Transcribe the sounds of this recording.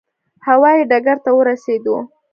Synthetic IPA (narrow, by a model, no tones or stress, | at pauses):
hawɑjiɖaɡaɾt̪awəɾased̪o